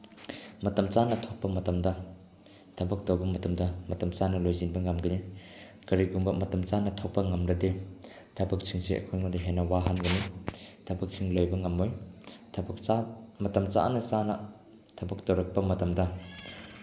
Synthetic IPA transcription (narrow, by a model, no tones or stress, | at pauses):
mɐtɐmt͡ʃanɐtʰɔk̚pɐmɐtɐmdɐ | tʰɐbɐk̚towbɐmɐtɐmdɐmɐtɐmt͡ʃanɐlojzinbɐŋɐmɡɐni | kɐɾiɡumbɐmɐtɐmt͡ʃanɐtʰɔk̚pɐŋɐmɾɐde | tʰɐbɐk̚sʰiŋsiʔḛkʰojŋadaɦenɐwaɦanɡɐnitʰɐbɐk̚sʰiŋlojbɐŋɐmːojtʰ | mɐtɐmt͡ʃa̰nɐsanɐ | tʰɐbɐk̚dowɾɐk̚pɐmɐtɐmdɐ